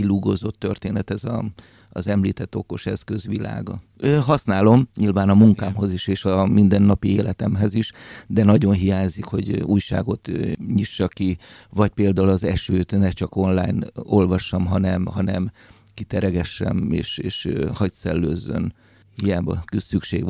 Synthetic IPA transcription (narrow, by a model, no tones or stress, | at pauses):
kiluɡozo̞t̪ːørt̪eːnɛt̪ɛzɒ̰ | zɛmliːt̪ɛt̪ːo̞ko̞ʃɛskø̞zʋila̰ːɡɒ̰øɦɒsnaːlo̞mɲilvaːnɒmuŋkaːmɦo̞ziʃeːʃɒmind̪ɛnːɒpieːlɛt̪ɛmɦɛziʃd̪ɛnɒɟo̞nɦijaːɲzikho̞̰ɟuːjʃa̰ːɡo̞t̪ɲiʃːɒkivɒc̚peːld̪aːulɒzɛʃøːt̪nɛt͡ʃɒko̞nlaːjno̞lvɒʃːɒmɦɒnɛmɦɒnɛm | kit̪ɛɾɛɡɛʃːɛ̰meːʃeːʃhɒcsɛlːøːzːø̰n | hijaːbɒ̰kysykʃeːɡ